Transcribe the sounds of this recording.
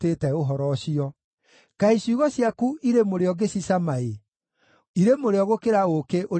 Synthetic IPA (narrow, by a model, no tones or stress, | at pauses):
teːtɛoɦɔɾɔɕiɔ | kaisuɣɔɕjakuiɾemoɾeɔɡesisamae | iɾemoɾeɔɣokeɾaokeʔo